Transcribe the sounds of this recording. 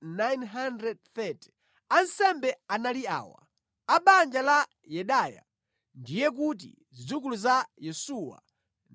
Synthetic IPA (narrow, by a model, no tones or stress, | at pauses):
najnɦandɾɛd̚θɛti̥ | ansɛmbɛanalia̰ːwa̰ | aɓand͡ʒala | jɛɗaːja̰ | ndijɛk̬ut̬ḭ | zid͡zuk̬uluzajɛsuwa̰ | n